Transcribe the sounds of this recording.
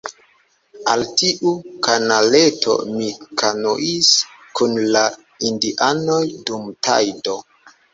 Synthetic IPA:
altiʔukanaletʰo̞̰mikʰanoʔiskunla | indiʔanojdumta̰jdo

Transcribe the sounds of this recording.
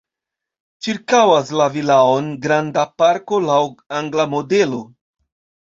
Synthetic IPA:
t͡ʃiɾkawaslavilao̞nɡɾandapaɾko̞lawaŋɡlamo̞de̞lo̞

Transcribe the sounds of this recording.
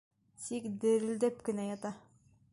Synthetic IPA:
t̪ikd̪ɘ̆ɾɘ̆ld̪æpkɘ̆næjɑt̪ɑ

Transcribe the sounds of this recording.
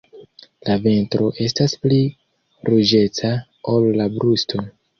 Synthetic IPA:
lave̞ntɾo̞ʔe̞s̬taspli | ɾud͡ʒe̞t͡sa | olːabɾustʰo̞

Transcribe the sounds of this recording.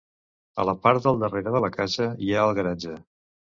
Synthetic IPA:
ə̰ləpaɾt̪d̪əlˠd̪əreɾəðələkaʃəiaəlˠɣəɾad͡ʒə

